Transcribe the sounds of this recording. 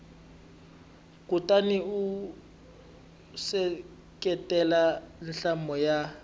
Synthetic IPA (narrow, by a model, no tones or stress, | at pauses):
kʼutʼaniu | sɛ | kʼɛtʼɛlanɬambʱɔja